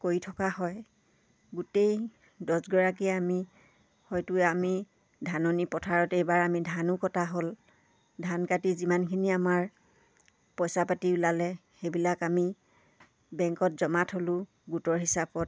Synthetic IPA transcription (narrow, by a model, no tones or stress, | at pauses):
koɹitʰɔkaɦɔj | ɡutej | dɔsɡɔɹak̬iami | hɔjtʊami | dʱanɔnipɔtʰaɹɔtejbaɹamidʱanʊkɔtaɦol | dʱankatizimankʰiniamaɹ | pɔjsapatiulalɛxebilakami | bɛŋkɔt̚zɔmatʰholʊ̃ | ɡutɔɹɦisapɔt̚